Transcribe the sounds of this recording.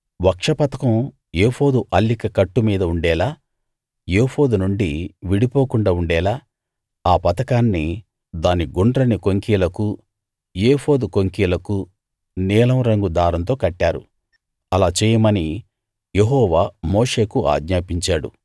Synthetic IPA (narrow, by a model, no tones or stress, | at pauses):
ʋɐkʂɐpɐt̪ɐkɐm | jeːfo̞ːd̪uʔɐlːikɐkɐʈːumiːd̪ɐuɳɖɛːlaː | jepoːd̪unuɳɖiʋiɽipo̞ːkuɳɖaːuɳɖɛːlaː | aːpɐt̪ɐkaːnːi | d̪aːniɡuɳɖɾɐnikoŋkiːlɐku | jeːpoːd̪ukoŋkiːlɐku | nɛːlɐmɾɐŋɡud̪aːɾɐnt̪o̞ːkɐʈːaːɾṵ | ɐlaːt͡ʃɛːjɐmɐni | jeɦɔːʋaːmoːʂe̞ːkuʔa̰ːɡɲaːpiɲt͡ʃaːɽṵ